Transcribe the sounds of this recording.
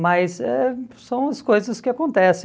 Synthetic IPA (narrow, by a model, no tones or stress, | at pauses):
mɐjsɛ̰sɐ̃w̃ɐskojzɐskɪakõnt̪ɛsẽ